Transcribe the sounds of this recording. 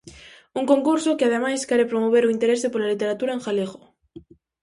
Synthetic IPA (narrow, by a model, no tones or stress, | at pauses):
uŋkoŋkuɾsokeað̞emajskaɾepɾomoβ̞eɾoint̪eɾesɪpolalit̪eɾat̪uɾaeŋxaleɣo